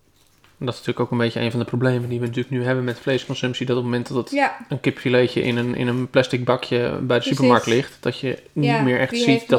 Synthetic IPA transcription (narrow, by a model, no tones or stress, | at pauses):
ɛndɔtɪsnətyːləkowkənbejcənejnvɑ̃ndəprowblejməndiʋənət̬yːləknyɦɛbənmɛtflejskɔnsɵmpsidɔtopmomɛntdɑtətənkɪpfilecə̰ʔɪ̰nənɪ̰nənplɛstɪɡ̚bɑkjəbɛjdəsypəɹmɑɹk̚tlɪχtd̥ɔtjənitmɪːɹɛxtsitdɔ